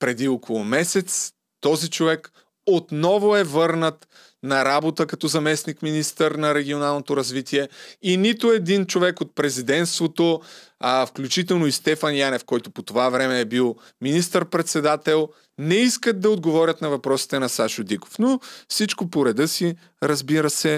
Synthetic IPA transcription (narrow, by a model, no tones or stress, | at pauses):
pɾɛd̪iokʰolˠʊmɛsɛt̪s | t̪ɔzit͡ʃovɛk | ot̪nɔvoɛvɤɾnət̪ | nɐɾabot̪əkɐt̪ɔzɐmɛsnikminist̪əɾnɐɾɛɡ̟ʲionalˠnot̪oɾɐzvit̪iɛinit̪oɛd̪int͡ʃovɛkot̪̚pɾɛzid̪ɛnt̪st̪vot̪o | fklʲut͡ʃit̪ɛlˠnoist̪ɛfɐnjanɛfkɔjt̪opot̪ovavɾɛmɛːbilˠ | minist̪əɾpɾɛt̪sɛd̪at̪ɛlˠ | nɛiskət̪̚d̪ɐod̪ɡovɔɾʲjət̪nɐvɐpɾɔsi̥t̪ɛnɐsaʃod̪iko̥fnofsit͡ʃkopoɾɛd̪ɤsi | ɾɐzbiɾəsɛ